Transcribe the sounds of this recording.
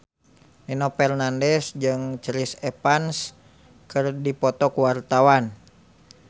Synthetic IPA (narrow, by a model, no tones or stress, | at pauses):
ninɔpɛrnandɛsd͡ʒɨŋt͡ʃɾisɛpans | kɨrdipɔt̪ɔkuwart̪awan